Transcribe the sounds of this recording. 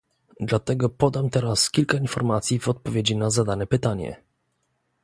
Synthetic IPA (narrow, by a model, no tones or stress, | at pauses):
d̪lat̪ɛɡɔpɔd̪amt̪ɛɾaskʲilkainfɔɾmat̪sʲjivɔt̪̚pɔvʲjed͡ʑinazad̪anɛpɘt̪aɲɛ̰